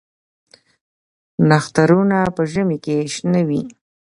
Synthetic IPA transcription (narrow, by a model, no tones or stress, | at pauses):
naxt̪aɾunapəʒəmekeʃnawi